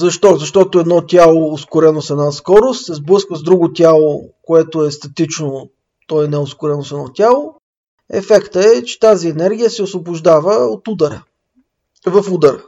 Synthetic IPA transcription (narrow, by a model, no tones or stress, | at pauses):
zɐʃt̪ɔzɐʃt̪ɔt̪oɛd̪nɔt̪ʲalˠoːskʊɾɛnosɛnaskɔɾʊst̪sɛzblˠɤskvəzd̪ɾuɡʊt̪ʲalˠokoɛt̪oɛst̪ɐt̪it͡ʃno | t̪ɔɛnɛoskʊɾɛnosɛd̪nɔt̪ʲjalˠo | ɛ̰fɛkt̪əɛt͡ʃɛ̥t̪aziɛnɛɾɡʲijəsɛosvobʊʒd̪avəot̪ud̪ɐɾə | vɐfud̪əɾ